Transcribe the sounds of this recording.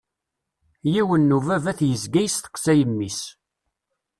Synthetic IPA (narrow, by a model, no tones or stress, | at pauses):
jiwənːuvævæθjəzɡæjst̪ə̥qsæjəmːis